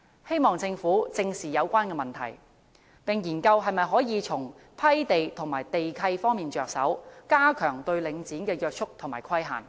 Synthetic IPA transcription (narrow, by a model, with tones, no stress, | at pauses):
he˥jmɔː˨ŋt͡sɪ˧ŋfuː˨˥t͡sɪ˧ŋsiː˨jɐ˨˧wkʷaː˥nkɛː˧mɐ˨˩nt̪ʰɐ˨˩j | pɪ˨ŋjiː˨˩nkɐ˧wɦɐ˨jmɐ˨jɦɔː˨˥jiː˨˧t͡sʰʊ˨˩ŋ | pʰɐ˥jt̪e˨jt̪ʰʊ˨˩ŋmaː˨˩jt̪e˨jkʰɐ˧jfɔː˥ŋmiː˨nt͡ʃœː˧k̚sɐ̰˨˥wkaː˥kʰœː˨˩ŋt̪ɵ˧ɥlɪ˨˧ŋt͡siː˨˥nkɛː˧jœː˧k̚t͡ʃʰʊ˥k̚t̪ʰʊ˨˩ŋmaː˨˩jkʰɐ˥jɦa̰ː˨˩n